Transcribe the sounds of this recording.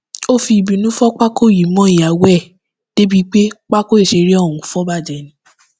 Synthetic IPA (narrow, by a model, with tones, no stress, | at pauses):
o˦fi˧i˨bi˨˦nũ˦fɔ˦k͡pa˦ko˦˨ji˨˦mɔ̃˨˦i˨ja˨˦wɛ˦˨ | d̥e˦bi˦k͡pe˦k͡pa˦ko˦e˦˨ʃe˧ɾi˦ɔ̃˦˨ũ˨˧fɔ˦ba˦˨d͡ʒɛ˨nĩ˧